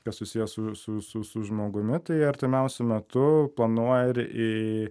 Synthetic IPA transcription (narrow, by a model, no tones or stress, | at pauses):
kɐssʊsʲiːjɛsʊsʊsʊsʊʒmoːɡʊmʲɪt̪ɐɪɐɾʲt̪ʲɪmʲɛʊsʲʊmʲɛt̪ʊplˠɐnuɔjɪɾɪ